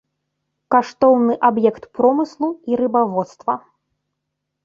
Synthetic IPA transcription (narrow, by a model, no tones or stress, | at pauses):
kaʂt̪ɔwnɨʔabjɛkt̪pɾɔmɨslˠuiɾɨbavɔt̪st̪vɐ